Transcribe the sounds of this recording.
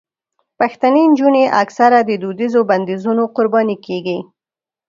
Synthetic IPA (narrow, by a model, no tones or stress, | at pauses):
paxt̪anend͡ʒuneʔaksaɾad̪əd̪ud̪izoband̪izunoqʊɾbɑnikeɡi